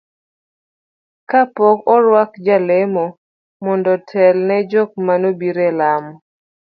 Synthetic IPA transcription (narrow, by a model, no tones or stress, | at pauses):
kapɔkɔɾwakd͡ʒalemɔ | mɔndɔtʰɛlnɛd͡ʒɔk̚manobiɾelamɔ